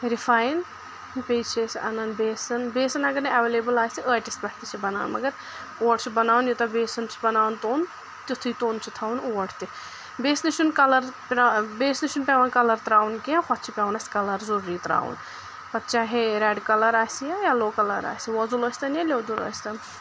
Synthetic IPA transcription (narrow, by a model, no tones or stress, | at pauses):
ɾifaːjn | pʲeːt͡ʃʰesʲɐnɐnbeːsɐnbeːsɐnɐɡɐɾnɐɐʋeːleːbɨlaːsiʔəːʈist̪bʲɐht̪it͡ʃʰibɐna̰ːwnmɐ̰ɡɐɾ | oːɐʈt͡ʃʰibɐnaːwnjut̪ɐbeːsɐnt͡ʃʰi̥bɐnaːwnt̪oːn | t̪it̪ʰɨjt̪oːnt͡ʃʰit̪ʰaːunoːɐʈʰt̪i | beːsniʃʰunkɐlɐɾpabeːsniʃʰunpʲɛʋɐnkɐlɐɾt̪ɾaːwunkiãxʰɔt̪̚ʰt͡ʃʰipʲɛʋɐnɐsʲkɐlɐɾzɐɾuɾiːt̪ɾa̰ːwṵn | pɐt̪t͡ʃaːɦeɾɛɖkɐlɐɾaːsijajaloːkɐlɐɾa̰ːsiʋɔzuloːsʲt̪ɐnjɐlʲeːd̪ulo̰ːsʲt̪ɐn